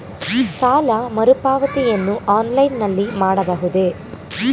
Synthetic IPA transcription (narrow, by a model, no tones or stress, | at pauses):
saːlɐmɐɾupaːʋɐt̪ijɐnːuʔaːnlɐjnːɐlːimaːɽɐbɐɦud̪e